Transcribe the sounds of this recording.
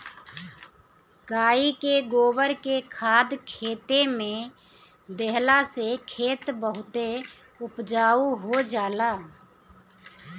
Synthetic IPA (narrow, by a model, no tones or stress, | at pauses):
kaːikeɡoːbəɾkekʰaːd̪kʰeːt̪emẽ | d̪ɛɦlasekʰeːt̪bəɦʊt̪e | ʊpd͡ʒaːuɦod͡ʒaːlaː